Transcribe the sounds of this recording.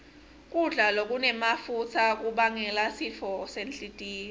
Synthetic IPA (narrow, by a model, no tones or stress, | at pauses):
k̬ʼuɮalok̬ʼunɛmafut͡sʰak̬ʼuɓaŋɛlasifʰɔsent͡ɬʼitʼiːnɛ